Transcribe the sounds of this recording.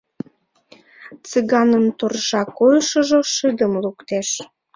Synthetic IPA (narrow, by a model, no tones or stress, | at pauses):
t͡sɨɣɑnəmt̪orʒɑkojʃə̆ʒoʃɨd̪əmlukt̪eʃ